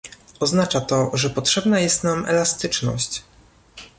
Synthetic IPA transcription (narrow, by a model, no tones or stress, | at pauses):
ɔznat͡ʂat̪ɔʐɛpɔtʂɛbnajɛst̪namɛ̰last̪ɘt͡ʂnɔ̰ɕt͡ɕ